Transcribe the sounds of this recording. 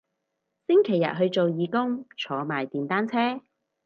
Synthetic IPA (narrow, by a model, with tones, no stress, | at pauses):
sɪ˥ŋkʰe˨˩jɐ̰˨t̚ɦɵ˧ɥt͡so˨wjiː˨˧kʊ˥ŋt͡ʃʰɔː˨˧maː˨jt̪iː˨nt̪aː˥nt͡sʰɛː˥